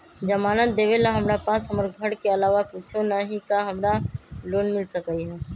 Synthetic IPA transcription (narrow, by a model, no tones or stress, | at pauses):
d͡ʒəmaːnət̪̚d̪eːʋelaɦəmɾapaːsɦəməɾɡʱəɽkeəlaːʋapuːt͡ʃʰonaɦĩkaɦəmɾaloːnmɪlsəkəiɦɛː